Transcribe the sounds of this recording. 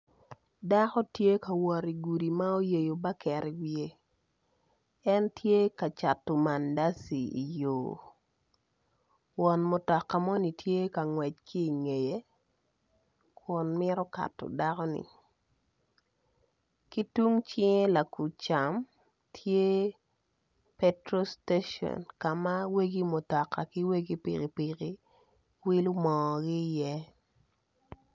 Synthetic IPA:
da˦kɔ˦tje˦ka˨wɔ˨ɾi˨ɡu˨di˨ma˦o˦je˨jo˨ba˦kɛ˨ɾi˨wje˦ | ɛ˦ntʰje˦ka˨t͡ʃa˨tːo˨ma˨nda˦si˨i˨joː˨ | wɔ˨nmo˨tɔ˨kːa˨mɔ˦ni˨tʰje˦ka˨ŋwɛ˨t͡ʃ̚kʰiː˦˨ŋe˨je˦ | kʰʊ˨nmɪ˦ɾɔ˦ka̰˨tːɔ̰˨da˦kɔ˦nɪ̰˨ | ki˦tu˦ŋt͡ʃɪ˦ŋe˦la˨ku˨t͡ʃa˨m | tʰje˦ | pe˦tɾo˦ste˦ʃɔ̰˨nka˨ma˦we˦ɡi˦mo˨tɔ˨kːa˨ki˦we˦ɡi˦pḭ˨ki˨pi˨ki˦ | wi˦lu˦mɔ˨ɡɪ˦jɛ˦

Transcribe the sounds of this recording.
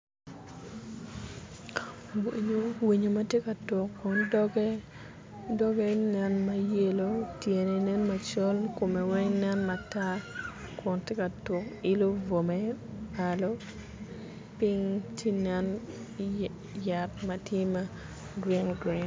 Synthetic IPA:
wɲo˦wi˨ɲo˨mɐ˦tje˦ka˨tʊ˨kːɔ˨ndɔɡɛ | dɔ˦ɡe˦nɛ˦nma˦je˦lo˦tje˨ne˨nɛ˦nma˨t͡ʃɔ˦lko˨me˨wɛ˦ŋnɛ˦nma˨ta˦kɔ˨ntje˦ka˨tʊ˨kɪ˦lo˦vo˨me˦a˨lo˦ | pi˦ŋti˦nɛ˦n | ja˨t̚matje˦ma˦ | ɡɾi˦nɡɾi˨n

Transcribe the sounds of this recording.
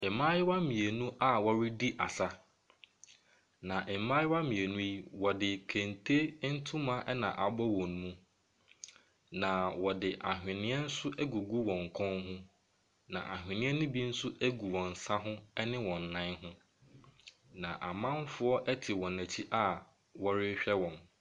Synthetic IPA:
ɛ˨mã˦jɪ˦wa˦mĩ˨e˨nũ˦ʔa˦wɔ˨ɾi˦di˦ʔa˨sa˦ | nã˨ʔɛ˨˦mãː˦jɪ˦wa˦mĩ˨e˨nũ˦ji˦wɔ˨dɪ˨kʰẽ˨ntʰe˦n̩˦tʰʊ̃˦mã˦ʔɛ˦nã̰˨ʔa˨bɔ˦wɔ̃˨ñ˦mũ˦ | nã˨wɔ˨dɪ˨ʔa˨ɦᶣɪ̃˨nɪ̃˦ɛ˦n̩˦sʊ˦ʔæ˦ɡu˨ɡu˦wɔ̃˨ŋ̩˨kʰɔ̃˦nɦʊ̃˦ | nã̰˨ʔa˨ɦᶣɪ̃˨nɪ̃˦ɛ˦nʊ̃˦bi˦n̩˦sʊ˦ʔæ˦ɡu˨wɔ̃˨n̩˨sa˦ɦʊ̃˦ɛ˦nɪ̃˦wɔ̃˨nː˨ã˦nɦʊ̃˦ | nã˨ʔa˨mã˦m˦fʊ˦ɔ˦ʔɛ˦tʰɪ˨wɔ̃˨næ˨t͡ɕʰi˦ʔa˦˨ | wɔ˦ɾɪ˦ɕᶣɛ˦wɔ̃˨n

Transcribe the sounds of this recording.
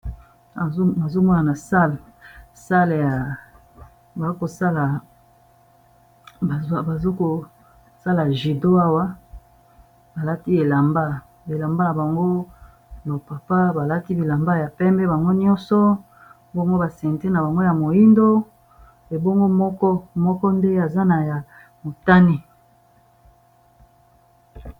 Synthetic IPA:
a˨˦ma˨zo˦mɔ˦na˨na˨sa˦lsa˦lja˨ | ba˨˦ko˨sa˦la˨˦ | ba˨zo˦ko˨ | sa˦la˨ʒi˨do˦a˦wa˦ | ba˨la˦ti˦e˨la˨mba˦ | e˨la˨mba˦ja˨ba˨ŋɡo˦ | no˨pa˨pa˦ba˨la˦ti˦bi˨la˨mba˦ja˨pɛ˦mbɛ˦ba˨ŋɡo˦n˦ɔ˦nsɔ˦ | bo˦ŋɡo˦ba˨sɛ˨n˨te˦na˨ba˨ŋɡo˦ja˨mo˨ji˦ndo˦ | e˨bo˦ŋɡo˦mɔ˦kɔ˦mɔ˦kɔ˦nde˦a˨za˦na˨ja˨ | mo˨ta˦ni˦

